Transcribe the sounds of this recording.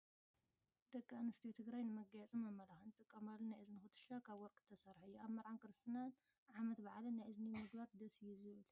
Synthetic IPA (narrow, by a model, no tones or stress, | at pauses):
d̪̥ɐkʼːaanɨst̪ʰit̪ʰɨɡɾajnɨmɐɡɐjɛt͡sʼimɐmːɐlaxɨnzɨt̪ʼɨkʼːɐmalːonajʔɨzɨnɨxɨt̪ʰɨ̥ʃakʰaβwɔɾkʰʼːɨ̥t̪ʰːɐsɐɾħujːuaβmɐɾʕankɨɾɨst̪ʰinan | ʕamɐt̪baʕalɨnajʔɨznimɨɡbaɾd̪ɐsɨjːuzɨβɨl